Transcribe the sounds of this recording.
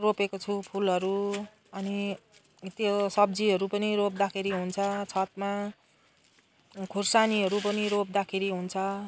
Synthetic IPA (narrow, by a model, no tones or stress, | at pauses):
ropekot͡sʰupʰulʌɾu | ʌni | t̪josʌb̚d͡ziɦʌɾupʌniɾop̚d̪akʰeɾiɦunt͡sʰʌt͡sʰʌt̪ma | kʰursaniʌɾupʌniɾop̚d̪akʰeɾiɦunt͡sʰʌ